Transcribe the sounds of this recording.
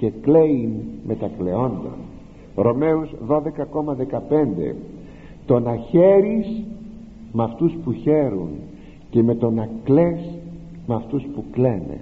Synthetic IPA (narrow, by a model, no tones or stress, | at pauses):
ce̞kle̞inme̞t̪ɐkle̞o̞nd̪o̞̰n | ɾo̞me̞uzðo̞ðe̞kɐko̞mɐðe̞kɐpe̞nd̪ḛ | t̪o̞nɐçe̞ɾis | mɐft̪uspuçe̞ɾṵn | ce̞me̞t̪o̞nɐkle̞s | mɐft̪uspukle̞ne̞̰